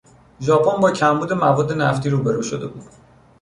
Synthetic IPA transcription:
ʒɒːpʰonbɒːcʰæmbuːd̪e̞mævɒːd̪ːe̞næft̪iːɾuːbe̞ɾuːʃod̪e̞̰bṵːd̪̥

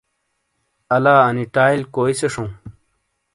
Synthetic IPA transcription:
ɐlaːɐniʈaːjlkoːiseʂõ

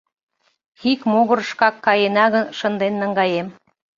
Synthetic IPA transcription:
xikmoɣə̆ɾʃkɑkːɑjenɑɣənʃə̆nd̪enːə̆ŋɡɑjem

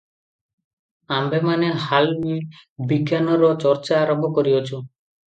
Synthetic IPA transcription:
ambemaneɦalwibiɡjanɔɾɔt͡ʃɔɾt͡ʃaːɾɔmbʱɔkɔɾiɔt͡ʃʰu

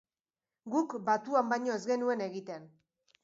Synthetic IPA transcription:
ɡukbat̪uambajɲo̞e̞zɡe̞nue̞ne̞ɣit̪e̞n

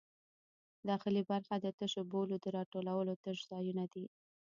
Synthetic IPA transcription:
d̪ɑxɪlibaɾxad̪ət̪əʃobolod̪əɾɑʈolawəlot̪əʒzɑjunad̪i

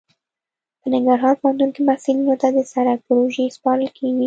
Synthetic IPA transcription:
pənɪŋɡaɾɦɑɾpohand̪unkemahsilinot̪ad̪əsaɾaɡ̚pʊɾoʒespɑɾəlkʰeɡi

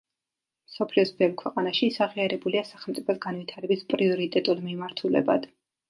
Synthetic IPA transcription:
msɔpʰliɔsbɛvkʰwɛqʼanaʃisaʁiaɾɛbuliasaχɛlˠmt̪sʼipʰɔsɡanvit̪ʰaɾɛbispʼɾiɔɾit̪ʼɛt̪ʼulˠmimaɾt̪ʰulɛ̰ba̰d̪̥

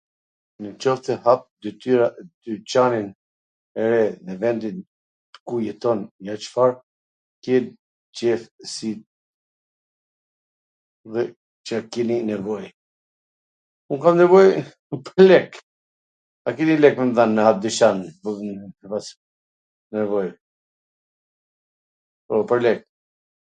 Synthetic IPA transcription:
nət͡ʃɔft̪ɛɦap̚d̪yt̪yɾad̪̥yt͡ʃanin | ɛɾɛnɛvɛnd̪in | t̪ə̥kujɛt̪ɔnjat͡ʃə̥faɾ | kɛn | t͡ʃɛfsi | ðɛ | t͡ʃəakɛninɛvɔj | unkamnɛvɔj | pəɾlɛk | akɛnilɛkmɛmðanːəab̚d̪iʃan | əpas | nɛvɔj | pɔpəɾlɛk̚

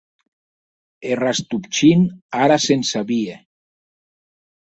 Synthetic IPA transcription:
erast̪upt͡ʃinaɾasensaβie

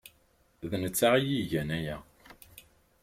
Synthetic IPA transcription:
ðnət͡sːaʁijiʝænæjæ

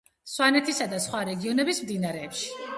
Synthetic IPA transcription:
swanɛt̪ʰisad̪asχwaɾɛɡiɔnɛbismd̪inaɾɛːpʃi̥

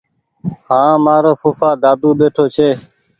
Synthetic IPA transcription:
hãːmaːɾoːfuːfaːɡ̪aːd̪uːɓeːʈʰoːt͡ʃʰeː

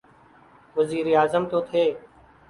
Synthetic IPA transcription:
ʋəziːɾeːaːzəmt̪oːt̪ʰeː

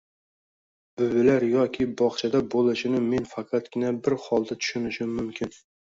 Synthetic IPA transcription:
bʊbɪlaɾjɒkʲʰɪbɒχt͡ʃʰad̪abolˠɪʃɪnɪme̞nfaqʰɑt̪ɡʲɪnabɪɾhɒlˠd̪at̪ʰʊ̥ʃʊnɪʃɪmːʊmkʲʰɪn

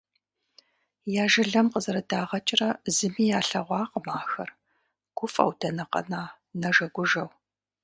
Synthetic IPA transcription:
jaːʒɪɮɐmqəzɐɾɐdaːʁɐt͡ʃʼɪrɐzɨmiːjaːɬɐʁʷɑːqəmaːxɐ̰r | ɡ̥ʷʊfʼɐ̰wd̥ɐnɐqɐ̰naː | nɐʒɐɡʷʊʒɐw

